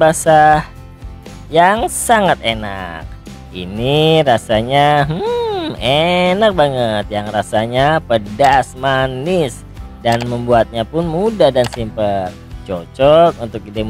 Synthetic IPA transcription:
basah | jaŋsaŋat̪̚ena̰k̚ | ḭniɾasaɲaɦ̩enak̚baŋət̪̚jaŋrasaɲapədasmanɪs | danməmbuat̪̚ɲapʊnmudadansimpət̪̚t͡ʃot͡ʃɔk̪̚unt̪ʊk̚dem

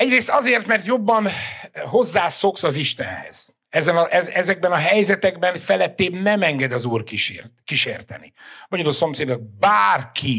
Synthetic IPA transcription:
ɛɟreːst̪ɒzeːrt̪mɛrt̪jo̞bːɒnɦo̞zːaːso̞ksɒziʃt̪ɛ̰nhɛ̰z̥ | ɛzɛnɒʔɛɛzɛɡ̚bɛnɒɦɛjzɛt̪ɛɡbɛnfɛlɛt̪ːeːbnɛmɛŋɡɛd̪ɒzuːrkiʃerkiʃeːrt̪ɛnḭbɒɟɔdoːso̞mseːd̪ɔɡ̚baːrkʰi

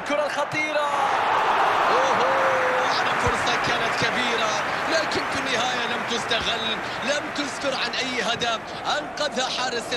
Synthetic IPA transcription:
kʊɾˤalxɑt̪ˤiːɾa | waɦʔanafʊɾsˤɑkaːnat̪kabiːɾalaːkɪnfɪnːɪhaːjalamt̪ʊst̪aɣɪlː | lamt̪ʊskʊɾʕanʔajːɦad̪af | ʔanqɑðhaħɑːɾɪs

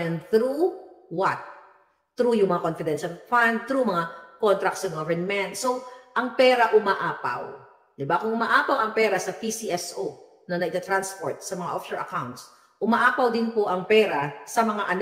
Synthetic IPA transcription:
ɛnd̪θɾuwɐt̪̚ː | ɾujʊŋmɐŋakonfɪd̪ɛnʃɐlfand̪̚t̪ɾumɐŋakont̪ɾɐk̪̚sɐɡovɛɹnmɛnt̪soʔɐŋpɛːɾɐʔʊmaːʔaːpa̰w | d̪ɪbakʊŋʊmaːʔaːpɐwʔɐŋpɛːɾɐsɐpisiʔɛsʔo | nɐnɐʔɪt̪ɐt̪ɾanspo̰ɹt̪̚sɐmɐŋa̰ʔofʃɛɹʔɐkawnt̪s | ʔʊmaʔaːpɐwd̪ɪnpoʔɐŋpɛːɾasɐmɐŋaʔɐn

